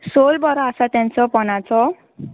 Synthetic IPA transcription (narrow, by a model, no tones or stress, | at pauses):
solbʌɾasat̪jant͡sʰʌpʌnat͡sʰʌ